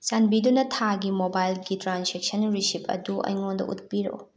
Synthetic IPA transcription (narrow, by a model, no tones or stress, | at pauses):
sanbidunɐtʰaɡimobajlɡitɾansek̚sɐnɾisipʰɐ̰duʔɐ̰jŋondɐ̰ʔṵt̚piɾo̰